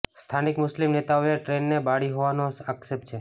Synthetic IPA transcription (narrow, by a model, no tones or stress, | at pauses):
st̪ʰanɪkmʊslimnet̪aoeʈɾenːebaɽiɦoʋanoəksep̚t͡ʃʰe